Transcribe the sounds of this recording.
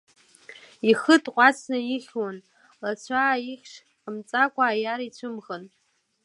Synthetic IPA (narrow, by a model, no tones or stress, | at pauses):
ixɨtʼqʷʼɑt͡sʰnɨjɪχʲwan | lat͡ɕʷʰaːiχʲʂ | qəmt͡sʼakʷʼaːjarit͡ɕʷʰɨmʁən